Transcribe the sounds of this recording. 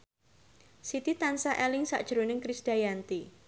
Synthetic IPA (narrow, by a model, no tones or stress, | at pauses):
sit̪it̪ansaʔɛlɪŋsa̰ʔd̥ʒ̥ɾonɪŋkɾisd̥ajant̪i